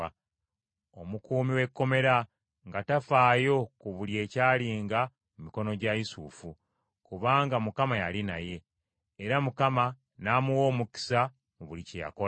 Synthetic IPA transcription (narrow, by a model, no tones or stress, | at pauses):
o̞mukuːmiwe̞kːo̞me̞ɾa | ŋɡatafaːjo̞kuβulje̞ːcaːliːŋɡa | mumiko̞no̞ɟaisuːfu | kuβaːŋɡamukamajalinaje̞ː | ɾamukama | naːmuwo̞ːmuki̥sa | βuliceja̰ko